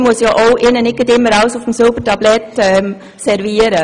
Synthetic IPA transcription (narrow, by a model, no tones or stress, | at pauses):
mʊəsjɑʔoʊʔɪnənɪkɡədtɪmːəɾaʊsʊfmsøbətɑblɛtɛm | sɛɾviːəɾə